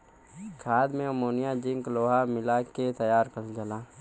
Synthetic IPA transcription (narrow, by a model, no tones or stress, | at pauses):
kʰaːd̪mẽomoːnijad͡ʒɪŋkloːɦamɪlaket̪ɐjaːɾkəld͡ʒəlaː